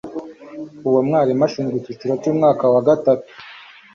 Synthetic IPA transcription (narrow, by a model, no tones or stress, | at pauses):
uwamŋaːɾimaʃuŋɡutit͡ʃiɾat͡ʃuːmŋaːkawaɡatatu̥